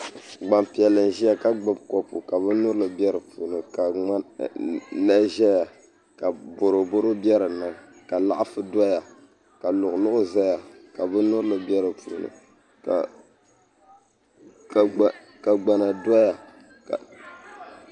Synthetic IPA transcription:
ɡ͡ba˨mpi˨ɛ˨lːɨ˨n˨ʒi˦ja˦ka˦ɡ͡bɨ˦b̚kɔ˦pu˨ka˨βɨ˦nʊ˦ɾɨ˦lɨ˨bɛ˦ɾɨ˨pu˨nɨ˨ka˨a˦ | la˦ʒɛ˦ja˨ | ka˨bo˨ɾo˨bo˦ɾo˦bjɛ˦ɾɨ˨nɨ˦˨ | ka˨la̰˦ʔa˦fɨ˦da˦ja˨ | ka˨lʊ˨ʔʊ˨lʊ˦ʔʊ˦za˦ja˨ka˨bɨ˦nʊ˦ɾɨ˦lɨ˨bɛ˦ɾɨ˨pṵ˨nɨ̰˨ | ka˨ | ka˨ɡ͡ba˨na˨da˦ja˨ | ka˨

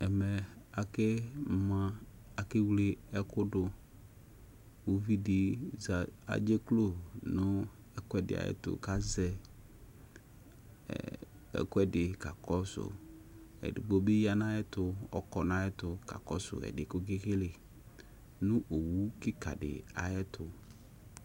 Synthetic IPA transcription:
ɛ˨mɛ˨a˨ke˦mã˦ | a˨kɪ˦wle˦ɛ˦kʊ˦ɖʊ˨ | wo˦vi˦dɪ˨za˨a̰˨d͡ʒe˦klo˦nʊ̃˦ | ɛ˦kʊ˦ɛ˦dɪ̰˨a̰˨ɛ̰˦t̪ʊ̰˦ka˦zɛ˦˨ | ɛ̰˨kʊ˦ɛ˦dɪ˨ka˨kɔ˦sʊ̰˨ | ɛ̰˨dɪ˨bo˦be˦ja˦nã˦jɛ˦t̪ʊ˦ɔ̰˦kɔ˨nã˦jɛ˦t̪ʊ˨ka̰˨kɔ̰˦sʊ̰˨ɛ̰˨ɖɪ˨kʊ˦ɡe˦xe˦le˨ | nʊ̃˦ʔo˨wu˦kɪ˦ka̰˨ɖɪ̰˨a˨jɛ˦t̪ʊ˨

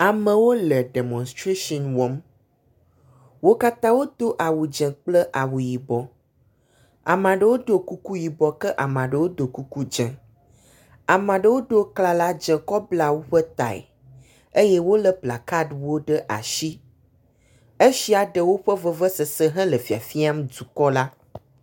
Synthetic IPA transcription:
a˨mə̃˨wo˦lə˨ɖe˨mɔ̃˨nst̪ɾe˦ʃɔ̃˨nwɔ˨˦m | wo˦ka˦t̪ã˦wo˦t̪o˦ʔa˨wu˨d͡ʒɛ̃˨k͡plə˦ʔa˨wu˨ji˨bɔ˨ | a̰˨mã˨ɖə˨wo˦d̪o˦ku˦ku˦ji˨bɔ˨kə˦ʔa˨mã˨ɖə˨wo˦d̪o˨ku˦ku˦d͡ʒɛ̃˨ | a˨mã˨ɖə˨wo˦ɖə˦kla˨la˦d͡ʒɛ̃˨kɔ˦bla˦wo˦ɸə˦t̪a̰˨ḛ˨ | e˦jɛ˦wo˦lə˨pla˨ka˦ɖwo˦ɖə˦ʔa̰˨ʃi˦ | e˦ʃi˦a˨ɖə˨wo˦ɸə˦və˦və˦sə˨sə˦ɦɛ̃˦lə˨fi˨a˨fi˦a˦m˦d͡zu˨kɔ˦la˦

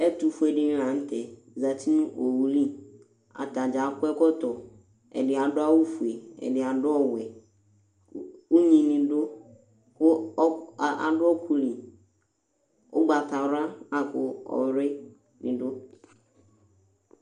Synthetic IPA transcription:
ɛ˦tu˨fu˦ɛ˨dɪ˦ñ˦ã˨n̩˦tɛ˨ | za˨tʰi˦nũ˦ʔo˨wu˨li˦ | a̰˨ta˨d͡ʒa˨˦kʊ˦ɛ˦kɔ˦tɔ˨ | ɛ̰˨dɪ˨a˨dʊ˦a˦wʊ˦fu˨e˨ɛ̰˨dɪ˨a˨dʊ˦ɔ˦wɛ˨ | ʊ˦ɲĩ˨nĩ˨dʊ˦ | kʊ˦˨ | a̰˨dʊ˦ɔ˦kʰu˨li˨ | ʊ˦ɡ͡ba˨t̪a˨wɾa˦a˨kʊ˨ɔ̰˨wɾɪ˦ | nḭ̃˨dʊ˦

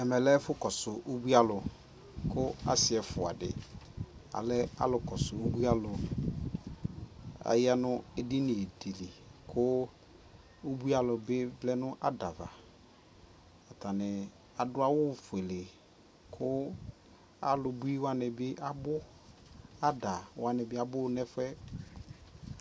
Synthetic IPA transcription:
ɛ˨mɛ˨lɛ˦fʊ˦kɔ˨sʊ˨ʔo˦bu˦a˦lʊ˨ | kʊ˦a˦sɪ˨ɛ˨fʊ˨a˨dɪ̰˨ | a̰˨lɪ˦a̰˦lʊ˨kɔ˨sʊ˨o˦bu˦a˦lʊ˨ | a̰˨ja˦nʊ˦e˦dɪ˦nɪ˨e˨di˨li˨kʰʊ˦ | o˦bu˦a˦lʊ˨bɪ˦vlɛ˦nʊ̃˦ʔa˦da˨va˨ | a˨ta˨nɪ˨ | a˨dʊ˦a˦wʊ˦˨fʊ˨ɛ˨lɪ˨ | kʰʊ˦ | a˦lʊ˨bu˦i˦wa˦nɪ˨bɪ˦ʔa˦bʊ˦ | a˦da˨wa˨nɪ˨bɪ˦a˨bʊ˦nɛ˦fɛ˦

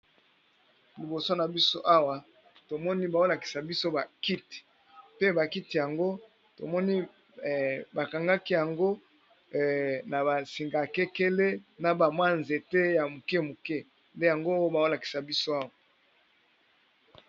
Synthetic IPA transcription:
li˨bo˨so˦na˨bi˦so˦ʔa˦wa˨ | to˨mɔ˦ni˦ba˨o˦la˨ki̥˨sa˨bi˦so˦ba˨ki˦ti̥˨ | pe˦ba˨ki˦ti˨ja˨ŋɡo˦ | to˨mɔ˦ni˦˨ | ba˨ka˨ŋɡa˦ki˦ja˨ŋɡo˦ | na˨ba˨si˨ŋɡa˨ke˦ke˦le˦na˨ba˨mwa˦nze˨te˦ja˨mu˨ke˦mu˨kɛ˦ | nde˦ja˨ŋɡo˦ba˨o˦la˨ki̥˨sa˨bi˦so˦a˦wa˨

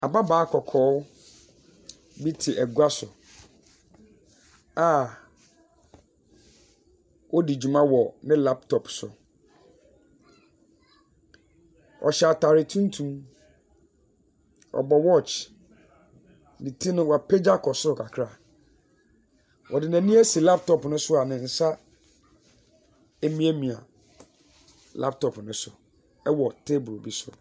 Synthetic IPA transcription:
a˨ba˦baː˨˦kʰɔ˨kʰɔː˨˦ | bi˦tʰɪ˨ʔɛ˨ɡu˦a˦sʊ˨ | a˨ | wɔ˦di˨d͡ʑu˨mã˦wɔ˨nɪ̃˦la˦p̚tʰɔ˨psʊ̰˨ | ʔɔ̰˨ɕɛ˨a˨tʰa˨ɾɪ˨tʰũ˦n˦tʰũ˦m | ɔ̰˨bɔ˨wɔ˦t͡ʃ | nĩ˨tʰi˦nʊ̃˦wa˨pʰɛ˦d͡ʑa˦kʰɔ˨sʊ˦ʊ˨kʰa˨kʰɾa˦˨ | wʔɔ̰˨dɪ˨næ̃˨nĩ˦æ˦si˨la˦p̚tʰɔ˨pnʊ̃˦sʊ˦a˨nɪ̃˨n̩˨sa˦ | e˦mĩ˦æ˦mĩ˨a̰˨ | la̰˦p̚tʰɔ˨pnʊ̃˦sʊ˨ | ɛ˦wɔ˨tʰe˦bɾo˨bi˦sʊ̰˨

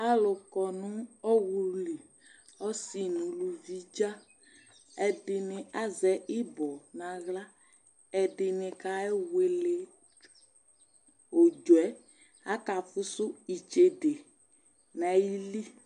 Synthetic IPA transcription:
a˦lʊ˨kɔ˨nũ˦ɔ˦wu˨li˨ | ɔ˦si˦nũ˨lu˨vi˦d͡ʒa˦ | ɛ˨dɪ˨nɪ̃˨a˦zɛ˨˦i˦bɔ˨nã˨ɣla˦ | ɛ˨dɪ˨nɪ̃˨ka˨ɛ˦we˨le˨ | o˨d͡ʒo˨ɛ˨˦ | a˦ka˨fʊ˦sʊ˦i˨t͡ʃe˨ɖe˨ | nã˨ji˦li˦

